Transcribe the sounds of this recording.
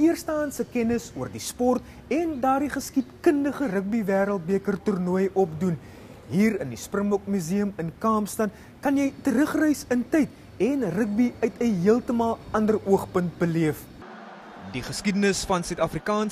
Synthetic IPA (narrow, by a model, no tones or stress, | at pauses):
iərstɑːnsəkɛnəsuərdispɔrt | ɛndɑːrdiχəskitkəndəχərək̚bivæːɾəlˠt̚biəkərturnuəjɔpdun | ɦiːrəndisprəmlɔkmyziəmənkɑːmstɐn | kɐnjɛjtəɾəχrəjsəntɛjt | ɛnrək̚biœɥtʰəɦiəlˠtəmɑlˠɐndəruəχpənt̚bəliəf | diχəskidənəsfɐnsœɥtɐfrikɑːn